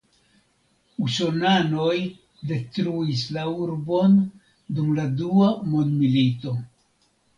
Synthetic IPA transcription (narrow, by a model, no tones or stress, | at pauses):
uso̞nano̞j | de̞t̪ɾuislauɾbo̞n | dumladuamondmilit̪o̞